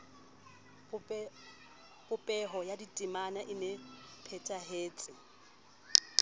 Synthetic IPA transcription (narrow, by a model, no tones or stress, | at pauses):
pʼʊpʼɛɦɔjaditʼɪmanaʔɪnepʰɛtʼaɦeːt͡sʼɪ